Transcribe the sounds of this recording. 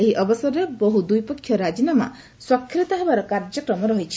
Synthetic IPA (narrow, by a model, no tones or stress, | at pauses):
eɦiʔɔbɔsɔɾebɔɦud̪ujpɔkʰːjɔɾad͡ʒinama̰ | swakʰːɾit̪ɔɦebaɾɔkaɾd͡ʒɔkɾɔmɔɾɔɦit͡ʃʰi̥